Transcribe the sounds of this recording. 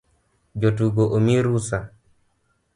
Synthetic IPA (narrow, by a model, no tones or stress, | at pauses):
d͡ʒotuɡoʔomiɾusa